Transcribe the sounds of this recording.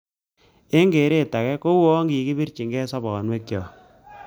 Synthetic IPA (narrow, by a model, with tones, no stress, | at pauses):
e˦ŋɡe˨ɾe˦ta˨kɛ˦ko˦wo˦ŋɡi˨ki˦bi˦ɾt͡ʃi˨ŋɡɛ˦sɔ˦bɔ˨nwe˦k̚jɔ˨